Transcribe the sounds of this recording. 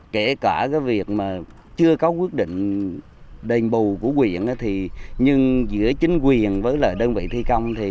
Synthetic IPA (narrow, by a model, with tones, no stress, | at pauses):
ke˧˩kaː˧˩kaː˨˦jvi˨˩ək̚maː˨˩ | t͡ɕɨ˧əkɔ˨˦kwi˦˥ət̚ɗḭ̈˧˨ŋ̟ | ɗə˨˩ŋ̟ɓu˨˩ku˧˩əkwi˨˩˨ənʔaː˨˦t̪ʰi˨˩ɲɨ˧ŋzɨ̰˧˥ət͡ɕï˨˦ŋ̟kwi˨˩ənvəː˨˦jləː˨˩jɗəː˧nvḭ˧˨t̪ʰi˧ka˧wŋ͡mt̪ʰi˨˩